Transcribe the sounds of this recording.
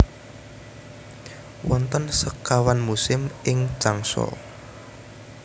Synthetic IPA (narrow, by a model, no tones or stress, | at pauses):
wɔnt̪ənsəkawanmusɪmʔɪŋ̥t͡ʃaŋsɔ̰